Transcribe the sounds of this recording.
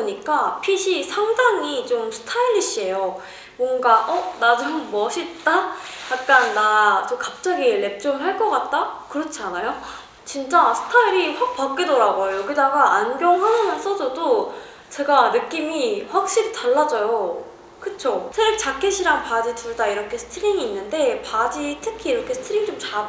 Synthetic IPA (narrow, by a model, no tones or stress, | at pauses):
oɲik͈apʰiɕʰisʰaŋdaŋit͡ɕomsʰɯ̥tʰailːiɕ͈ie̞jo | mwʌnɡaʔʌnad͡ʑomːʌɕʰit̚t͈ajak̚k͈anːat͡ɕokap̚t͡ɕ͈aɡile̞p̚t͡ɕ͈omɦaɭk͈ʌk͈at̚t͈akɯɾʌt͡ɕʰanajo | t͡ɕint͡ɕ͈asʰɯ̥tʰaiɾiɸwak̚pak͈̚idoɾaɡojojʌɡidaɡaanɡjʌŋhanʌnaɭs͈ʌsʰʌdo | t͡ɕe̞ɡanɯk͈imiɸwak̚ɕ͈iɾitaɭːad͡ʑʌjo | kɯt͡ɕʰosʰeɾɯk̚t͡ɕak͈ʰeɕʰiɾaŋpad͡ʑituɭdaiɾʌkʰe̞sʰɯ̥tʰɯɾiŋiːnːɯnde̞pad͡ʑitʰɯkʰiːɾʌkʰesʰɯ̥tʰɯɾiŋt͡ɕomt͡ɕa